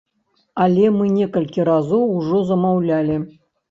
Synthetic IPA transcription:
alʲemɨnʲekəlʲkʲiɾazowuʐozɐmɑwlʲælʲe

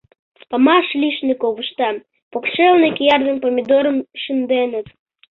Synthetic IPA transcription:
pamɑʃlʲiʃnikoβuʃt̪ɑ | pokʃelnekjɑrðəmpomʲid̪oɾə̆mʃɨnd̪enət̪

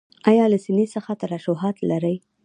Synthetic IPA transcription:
ɑjɑlasinesəxat̪aɾaʃoɦɑt̪laɾəj

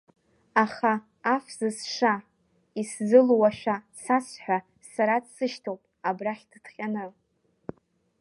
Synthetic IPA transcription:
aχaː | fzɨsʂa | iszɨlwaʃʷᶣasat͡sʰħʷᶣa | saɾadsɨʃtʰowpʼabraχʲddχʲʼanɨ

